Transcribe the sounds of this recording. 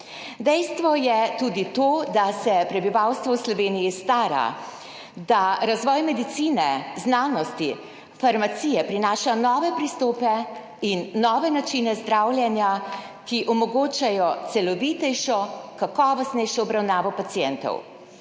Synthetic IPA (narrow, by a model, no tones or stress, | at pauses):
d̪ɛjst̪ʋɔjɛt̪ud̪it̪oːd̪asɛpɾɛbiʋawst̪ʋɔwslɔʋeːnijist̪aːɾa̰ | d̪aɾazʋɔːjmɛd̪it̪siːnɛznaːnɔst̪i | faɾmat̪siːjɛpɾinaːʃanɔːʋɛpɾist̪oːpɛ | inːɔːʋɛnat͡ʃinɛzd̪ɾawljɛnja | kiʔɔmɔɡoːt͡ʃajɔt̪sɛlɔʋiːt̪ɛjʃɔkakɔːʋɔst̪nɛjʃɔɔbɾawnaːʋɔpat̪sijɛnt̪ɔ̰w